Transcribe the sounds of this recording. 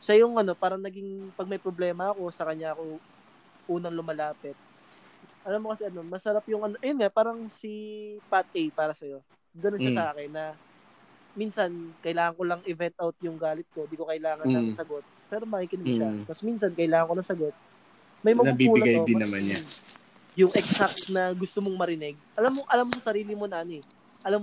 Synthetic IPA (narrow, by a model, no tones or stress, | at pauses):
ʃajʊŋʔɐno̞paːɾɐŋnɐɡiŋpɐɡ̚mɐjpɾoblɛːmɐɐko̞sɐkɐɲɲːaʔɐko̞ | ʔuːnɐŋlʊmɐlaːpɛt̪̚ | ʔɐlamːokɐsɛʔɐno̞mɐsɐɾapjʊŋʔɐnoʔɐjonŋapaːɾɐŋsipat̪̚ejpaːɾɐsɐjo̞ | ɡɐnonɐsɐʔaːkɛnːɐ | minsɐnkɐʔɪlaːŋɐŋkolɐŋʔɪvɛnt̪̚ʔawt̪̚jʊŋɡaːlɪt̪̚ko̞d̪iːko̞kɐʔɪlaːŋɐnamɪsɐɡo̞t̪̚pɛːɾo̞mɐʔikɪnmɐʃat̪ɐsmins̬ɐnkɐʔɪlaːŋɐŋkonɐsɐɡo̞t̪̚ | mɐjmɐnbiuːɪnɡajd̪ɪnɐmanɲa | jʊŋʔɛksak̚t̪nɐɡʊst̪omoŋmɐɾɪnɛɡ̚ʔɐlamːoŋʔɐlamːosɐɾiːlɪmonɐʔnoɛ | ʔɐlam